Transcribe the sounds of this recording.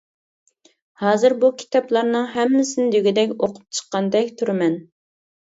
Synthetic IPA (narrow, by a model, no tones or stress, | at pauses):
hɑːzɨɾbukʲʰi̥t̪ʰɑplˠɑɾnɨŋɦɛmːɪsɪnɪd̪øɡʲid̪ɛkʲoqʰʊ̥p̚t͡ʃʰə̥qːɑnd̪ɛkʲt̪ʰuɾɪmɛn